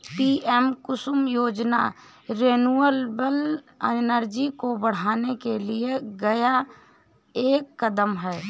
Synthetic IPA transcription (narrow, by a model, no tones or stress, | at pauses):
piːʔɛmkʊsʊmjoːd͡ʒna̰ | ɾeːnuəlbəl | ənəɾd͡ʒikobəɽ̤aːnekelieɡɐja | eːkːəd̪əmɦɛː